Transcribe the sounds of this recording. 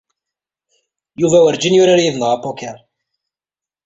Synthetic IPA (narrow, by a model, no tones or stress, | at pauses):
juvæwəɾd͡ʒinjuɾaɾjiðnəʁapːɔkɛɾ